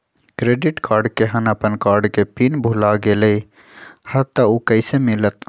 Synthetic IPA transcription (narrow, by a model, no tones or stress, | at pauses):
kɾeːɖɪʈkaːɾɖkeɦɐnəpənkaːɾɖkepinbʱulaɡeləi | hɐt̪ːaukəɪsemɪlət̪